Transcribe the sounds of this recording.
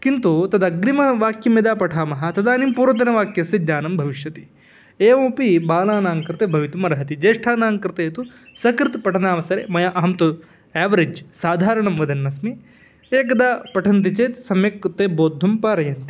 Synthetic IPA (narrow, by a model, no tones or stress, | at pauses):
kint̪ut̪ɐd̪ɐɡɾimɐʋaːkjɐmed̪aːpɐʈʰaːmɐɦɐt̪ɐd̪aːnimpuːɾɐt̪̬ɐnɐʋaːkjɐsid̪ɲaːnɐmbʱɐʋiʃjɐt̪i̥ | eːʋɐ̃ːpibaːlaːnaːŋkɾɨt̪eːbʱɐʋit̪umɐɾɐɦɐt̪id͡ʒeːʂʈʰaːnaːŋkɾɨt̪eːt̪u | sɐkɾit̪pɐʈʰɐnaːʋɐsɐɾḛːmɐjɐʔɐɦɐmt̪u | ɛːʋɐɾed͡ʒsaːd̪ʱaːɾɐɳɐmʋɐd̪ɐnːɐsmi | eːk̬ɐd̪aːpɐʈʰɐnt̪̬it͡ʃeːt̪sɐmjɐkt̪eːboːd̪ʱːɐmpaːɾɐjɐnt̪i